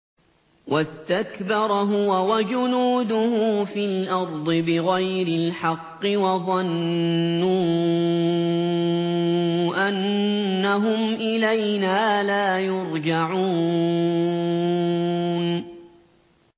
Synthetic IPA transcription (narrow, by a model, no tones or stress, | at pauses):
wast̪akbɑɾˤɦʊwawad͡ʒʊnuːd̪ʊhfilʔɑɾˤd̪ˤɨbɪɣajɾɪlħɑqːɨwɑðˤɑnː | uː | ʔanːaɦʊmʔɪlajnaːlaːjʊɾd͡ʒaʕuː | n